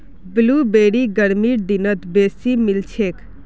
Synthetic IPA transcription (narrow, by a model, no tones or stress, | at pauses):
blubeɽiɡəɽmiɖ̪inət̪beːsimilt͡ʃʰek